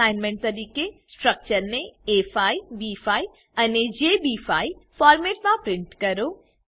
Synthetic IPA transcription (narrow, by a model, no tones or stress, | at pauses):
aːɪnmẽɳʈ̚t̪ɐɾiːkesʈɾək̚t͡ʃəɾnẽefʰaːibifʰaːi | ɐned͡ʒeːbifʰaːifaːɾmeːʈmãpɾɪ̃ɳʈkɐɾo